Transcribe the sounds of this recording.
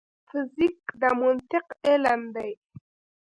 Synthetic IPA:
fɪzikd̪əmʊnt̪ɪqeland̪aj

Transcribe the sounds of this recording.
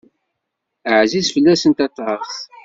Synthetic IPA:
əʕzizfəlːæsənt̪ɑt̪ˤːɾˤəχθ

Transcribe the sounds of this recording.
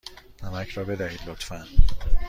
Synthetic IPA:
næmæcʰɾɒːbe̞d̪æhiːd̪lot̪fæn

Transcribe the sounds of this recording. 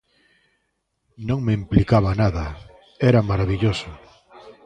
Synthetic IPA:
nõŋmeimplikaβanaðɐ | ɛɾɐmaɾaβiʎosʊ

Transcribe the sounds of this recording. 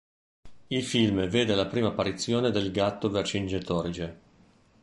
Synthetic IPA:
ilfilmveːd̪elapɾiːmaːpːaɾit̪sːjoːned̪elɡat̪ːovert͡ʃind͡ʒet̪ɔɾid͡ʒe

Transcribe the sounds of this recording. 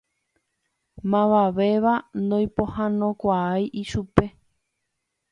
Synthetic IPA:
mãʋaʋe̞ʋand̪õj̃põhãnõ̞kʷaajʔiʃupe̞

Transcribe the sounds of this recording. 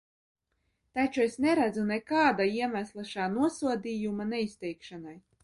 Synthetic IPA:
t̪at͡ʃuesnɛɾæd̪zunɛkaːd̪aiɛmʲæslˠaʃaːnuɔsuɔd̪ʲijumanɛisʲt̪ʲɛjkʃanaj

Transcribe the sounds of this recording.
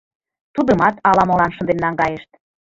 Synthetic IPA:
t̪ud̪əmɑt̪ɑlɑmolɑnʃə̆nd̪enlɑŋɡɑjeʃt̪̚

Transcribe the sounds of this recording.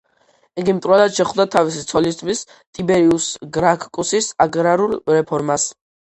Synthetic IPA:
iɡimt̪ʼɾwɛlad̪ʃɛχud̪at̪ʰavisit̪sʰɔlist̪ʰmis | t̪ʼibɛɾiusɡɾakʰkʼusisaɡɾaɾulɾɛpʰɔɾmas

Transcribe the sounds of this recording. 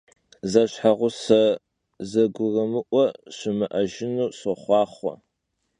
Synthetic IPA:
zɐɕħaʁʷʊsɐ | zɐɡʷʊrɨmɨʔʷɔɕɪmɨʔɐʒɪnuːɕʊχʷɑːχʷɔ̰

